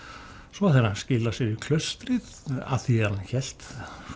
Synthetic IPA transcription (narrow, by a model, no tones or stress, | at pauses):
svɔθeɾascɪːlasɛɾikʰlœɥst̪ɾɪða̰θiɛɾançɛl̥t̪